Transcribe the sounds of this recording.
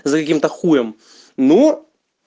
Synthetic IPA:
zɐkɐkʲimt̪ɐxujɛm | nu

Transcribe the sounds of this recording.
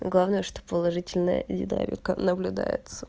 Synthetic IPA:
ɡlˠavnəjəʂt̪o̞pəlˠɐʐɨtʲɪlʲnəjə̰dʲɪd̪a̰ɾʲɪ̰kənəblʲʊd̪ajɪ̰t̪sə

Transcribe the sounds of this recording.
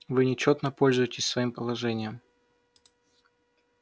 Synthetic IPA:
vɨnʲɪt͡ɕot̪nəpo̞lʲzʊjɪtʲɪsʲsvɐimpəlˠɐʐɛnʲɪjəm

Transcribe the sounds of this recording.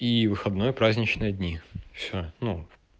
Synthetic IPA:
ivɨxɐd̪nojəpɾazʲnʲɪt͡ɕnɨjəd̪ʲnʲifsʲonu

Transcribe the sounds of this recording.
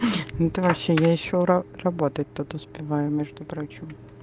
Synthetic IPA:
nʊɛt̪əvɐpɕːejaɪɕːoɾɐrɐbot̪ət̚ʲt̪ut̪ʊspʲɪvajʊmʲɛʐd̪ʊpɾot͡ɕɪm

